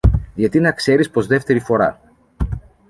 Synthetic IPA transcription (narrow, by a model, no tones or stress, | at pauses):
ðʝɐt̪inɐkse̞ɾispo̞zðe̞ft̪e̞ɾifo̞ɾɐ̰